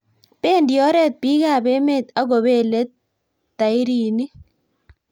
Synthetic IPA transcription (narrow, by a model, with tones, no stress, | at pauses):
pe˦˨ndjɔ˦ɾɛ˦˨t̪̚pi˦ɡa˦˨be˦me˦˨t̪a˦ɡo˨be˦˨le˦t̪̚ː | a˨i˦ɾi˨ni˦